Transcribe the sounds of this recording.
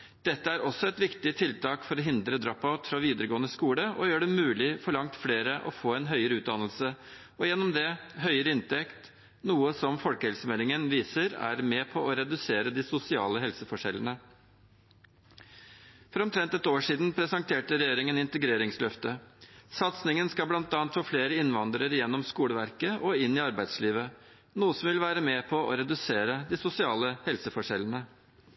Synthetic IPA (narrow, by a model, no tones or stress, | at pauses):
d̪̥ɛt̪ːəæɾɔsːɔɛt̪ʋɪkt̪ɪt̪ʰɪlt̪ʰɑːkfɔɾɔɦɪnd̪ɾəd̪ɾɑpːaʉt̪fɾɑʋiːd̪əɾəɡoːənəskuːləʔɔjøːɖɛmʉːlɪfɔɭɑŋt̪fleːɾəʔɔfoːɛnɦœʏəɾəʉːt̪̚d̪ɑnəlsə | ɔjɛnːɔmd̪ɛɦœʏəɾəɪnt̪ɛkt̪ | nuːəsɔmfɔlkəhɛlsəmɛlɪŋənʋiːsəɾæ̰ɾmɛpʰɔɔɾɛd̪ʉseːɾəd̪ɪsʊsɪɑ̰ːləɦɛlsəfɔʂɛlːənə | fɔɾɔmt̪ʰɾɛnt̪ɛt̪oːʂiːd̪n̩pʰɾɛsɑŋt̪ʰeːʈəɾɛjeːɾɪŋənɪnt̪əɡɾeːɾɪŋslœft̪əsɑt̪snɪŋənskɑblɑnt̪ɑːnt̪foːfleːɾəɪnʋɑnd̪ɾəɾjɛnːɔmskuːɽəʋæɾkəʔɔɪnːɪɑɾbæɪd̪sliːʋə | nuːəsɔmʋɪlʋæːɾəmɛpʰɔʔɔ̰ɾɛd̪ʉseːɾəd̪ɪsʊsɪɑːləhɛlsəfɔʂɛlənə